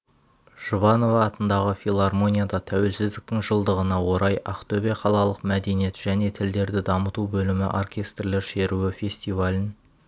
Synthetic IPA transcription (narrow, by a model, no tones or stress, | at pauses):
ʒ̥uvɑno̞vɑːt̪ənd̪ɑʁəfʲilˠarmo̞nʲijad̪ɑt̪ʰæwe̞lsɪzd̪ɪk̚t̪ɪŋʒəlˠd̪əʁənɑwo̞ɾɑjʔɑqt̪obeqʰɑlˠɑlˠəqmæd̪e̞nije̞t̪ʒ̥æne̞t̪ʰɪld̪e̞ɾd̪ɪd̪ɑmət̪ubɵlɪmɪ̰ʔo̞̰rkʲe̞st̪rle̞ɾʃe̞ɾuɪfʲe̞sʲt̪ijvalʲɪn